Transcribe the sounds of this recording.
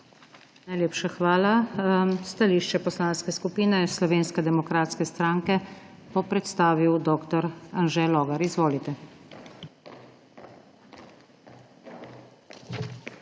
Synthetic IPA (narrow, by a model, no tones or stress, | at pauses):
najleːpʃaxʋaːla | st̪aliːʃt͡ʃɛpɔslaːnskɛskupiːnɛslɔʋeːnskɛd̪ɛmɔkɾaːt̪skɛst̪ɾaːŋkɛ | pɔpɾɛt̪st̪aːʋiwd̪ɔːkt̪ɔɾanʒɛlɔːɡaɾizʋoːlit̪ɛ